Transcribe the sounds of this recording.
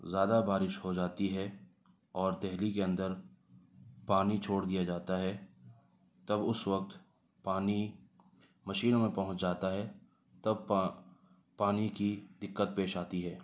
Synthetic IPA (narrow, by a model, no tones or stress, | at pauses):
zjaːd̪abaːɾɪʃhod͡ʒaːt̪iɦɛ | ɔːɾd̪ɛɦlikeɐ̃nd̪əɾ | paːnit͡ʃʰoːɽd̪ijad͡ʒaːt̪aɦɛ | t̪ɐbʊsʋɐk̚t̪ | paːni | mɐʃiːnõmẽpɐɦʊ̃t͡ʃd͡ʒaːt̪aɦɛ | t̪ɐb | paːnikid̪ɪkːət̪̚peːʃaːt̪iɦɛː